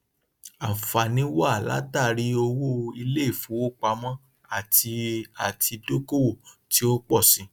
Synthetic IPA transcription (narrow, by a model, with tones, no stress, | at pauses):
a˨fa˨nĩ˨˦wa˦˨la̰˨˦ta˦˨ɾi˦o˧wo˦i˧le˦i˦˨fũ˨˦wo˦k͡pa˨˦mɔ̃˦ | a˦˨ti˧a˨tʰi˧do˦ko˦wo˦˨ti˨˦o˦k͡pɔ˦˨sĩ˨˦